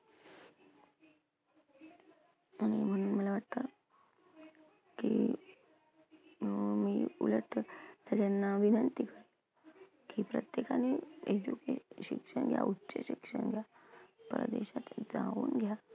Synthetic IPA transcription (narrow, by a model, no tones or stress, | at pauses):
aɽ̃im̤əɽ̃uːnməlaʋaʈt̪a | ki | miːuləʈəsəɡjanːaʋinənt̪ikəɾ | kipɾət̪jekaneed͡ʑukeɕikʂəɳɡʱja̰ʔutːɕəɕikʂəɳɡʱja | pɾə̰d̪eɕat̪d͡zaṵːnɡʱja